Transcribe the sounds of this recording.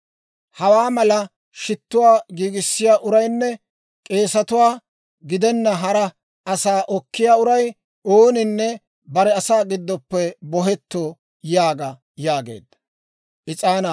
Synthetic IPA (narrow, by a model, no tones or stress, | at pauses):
hɐwaːmɐlɐ | ʃɪt̪ːʊwaːɡiːɡɪsːɪjaːʔʊɾɐjnːɛ | kʼe̞ːsɐt̪ʊwaː | ɡɪd̪ɛnːɐɦɐɾɐ | ʔɐsaːʔɔkːɪjaːʊɾɐj | oːnɪnːɛ | bɐɾɛɐsaːɡɪd̪ːɔpːɛbɔɦɛt̪ːoː | jaːɡɐ | jaːɡe̞̰ːd̪ːɐ̥ | ʔɪt͡sʼaːnɐ